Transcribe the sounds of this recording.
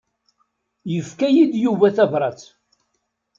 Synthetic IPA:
jəfkæjid̪juvæθævɾˤɑt͡s

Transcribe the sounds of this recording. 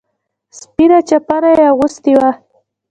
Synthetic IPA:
spiɾat͡ʃapaɾajaɣʊst̪iwa

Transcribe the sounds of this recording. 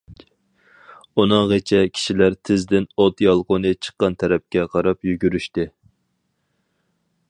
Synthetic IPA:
unɨŋʁet͡ʃʰɛkʲʰi̥ʃilæɾt̪ʰɪzd̪ɪnot̪jɑlˠqonɨt͡ʃʰə̥qːɑnt̪ʰɛɾɛp̚kʲɛqʰɑɾɑpjyɡʲyɾyʃt̪ɪ

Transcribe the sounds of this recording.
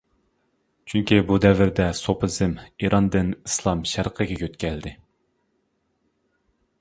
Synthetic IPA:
t͡ʃʰyŋkʲibud̪ɛvɪɾd̪ɛsopʰɨzɨmiɾʔɑnd̪ɨnislˠɑmʃæɾqʰəɡʲɛkʲʰøt̪kʲʰɛld̪ɪ

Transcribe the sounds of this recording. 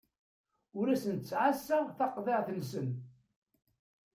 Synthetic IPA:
ʊɾæsənt̪t͡sːʕasːæθɑqðˤeʁθənsən

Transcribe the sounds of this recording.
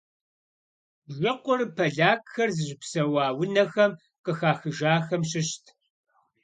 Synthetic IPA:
ʒɪqʷʊrpʰɐɮaːkʼxɐrzɨʑɪpsɐwɑːwʊnɐxɐm | qəxaːxɨʒaːxɐmʃ̬ɪɕtʰ

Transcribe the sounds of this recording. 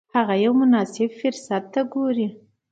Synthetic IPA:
haɣajawmʊnɑsɪbfɪɾsat̪̚ːaɡoɾi

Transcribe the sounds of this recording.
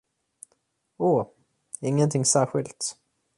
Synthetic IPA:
oː | ɪŋːənt̪ʰɪŋsæːɾɧɪlt̪

